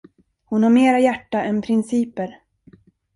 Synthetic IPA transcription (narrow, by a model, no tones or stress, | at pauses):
hʊnhaɾmeːɾajæʈːaʔɛnpʰɾɪnsiːpəɾ